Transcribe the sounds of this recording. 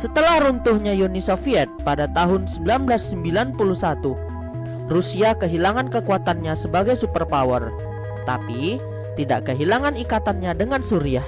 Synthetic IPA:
sət̪əlahɾunt̪ʊhɲajonisofiɛt̪̚padat̪aɦʊnsəmbilanblasːəmbilanpuluhsat̪u | rusiakəɦilaŋankəkuat̪anɲasəbaɡajsupərpawər | t̪a̰pi | t̪ida̰ʔkəɦilaŋanikat̪anɲadəŋansuɾiah

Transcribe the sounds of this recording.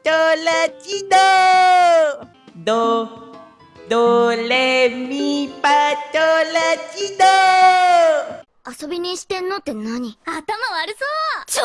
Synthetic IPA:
tolat͡ɕid̪o | d̪o | d̪olemipatolat͡ɕid̪o | aso̞bʲiɲ̟iɕi̥t̪ẽ̞nːot̪ːenaɲ̟iat̪amaβaɾɯ̟so

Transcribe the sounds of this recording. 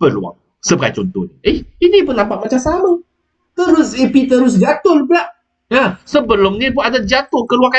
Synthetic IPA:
bəlṵa̰ŋ | səbəka̰jt͡ʃɔnt̪ɔ̰niʔeinibənãmpaʔmat͡ʃamsamə | t̪əɾʊsipit̪əɾʊs̬d͡ʒat̪ʊlblaʔ | asəbəlʊmnibuadad͡ʒat̪ʊhkəluaŋa

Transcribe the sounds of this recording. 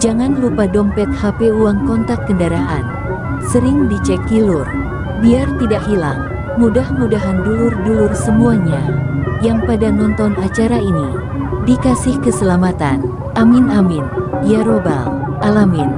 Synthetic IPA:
d͡ʒaŋanlupadɔmpɛt̪̚hapeuaŋkɔnt̪akːəndaɾaɦa̰n | səɾɪŋdit͡ʃɛk̚ːilur | biart̪idaʔhila̰ŋ | mudahmudaɦandulʊrdulʊrsəmuaɲajaŋpadanɔnt̪ɔnat͡ʃaɾaini | dikasɪhkəsəlamat̪an | ʔamɪnamɪnjaɾoba̰l | ʔalamin

